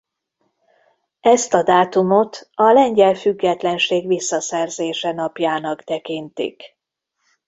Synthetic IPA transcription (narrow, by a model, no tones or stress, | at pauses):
ɛst̪ɒd̪aːt̪umo̞t̪ɒlɛɲɟɛlfyɡːɛt̪lɛnʃeːɡʋisːɒsɛrzeːʃɛnɒpjaːnɒkt̪ɛkint̪ḭk